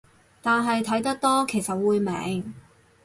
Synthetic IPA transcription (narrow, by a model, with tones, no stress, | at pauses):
t̪aː˨nɦɐ˨jt̪ʰɐ˨˥jt̪ɐ˥k̚t̪ɔː˥kʰe˨˩jsɐ˨t̚wuː˨˧jmɛ̰ː˨˥ŋ